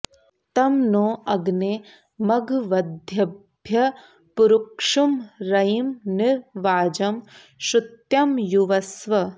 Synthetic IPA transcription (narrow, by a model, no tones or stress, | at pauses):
t̪ɐmnoːɐɡne | mɐɡʱʋɐd̪ʱjɐbʱjɐ | puɾukʂumɾɐimniɾʋaːd͡ʒɐm | ʃut̪jɐmjuʋɐsʋɐ